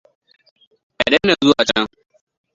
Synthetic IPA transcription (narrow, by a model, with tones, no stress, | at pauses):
ʔa˨dɐ˦nːɐ˨zʊ˦waː˨t͡ʃɐ˦ŋ